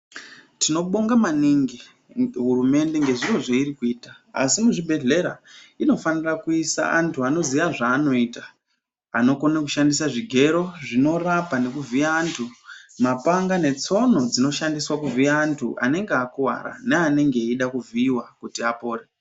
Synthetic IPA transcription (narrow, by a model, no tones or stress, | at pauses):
tino̞ɓo̞ŋɡamaniŋɡi | ɦurume̞nde̞ŋɡe̞ʐiro̞ʐeirikuiːta̰ːsimuʐibʱe̞ɮe̞ɾa̰ino̞fanirakuisa̰antʰuano̞zijaʐaːno̞iːta | a̰no̞ko̞nakuʃandisaʐiɡʱe̞ɾo̞ʐino̞rapane̞kuviaːntʰumapaŋɡane̞t͡so̞no̞d͡zino̞ʃandiswakuvʱiaːntʰuʔa̰ne̞ŋɡeakuwa̰ɾa̰neane̞ŋɡe̞iɗakuviːwakutiapo̞ːre